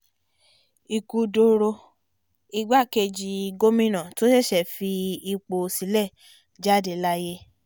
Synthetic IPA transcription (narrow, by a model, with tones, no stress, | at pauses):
i˨ku˧do˧ɾo˧ | i˧ɡ͡ba˦˨ke˧d͡ʒi˧ɡo˦mĩ˦nã˨to˦ʃe˦˨ʃɛ˨fi˧i˧k͡po˧si˨˦lɛ˦˨ | d͡ʒa˦˨de˨la˧˦je˦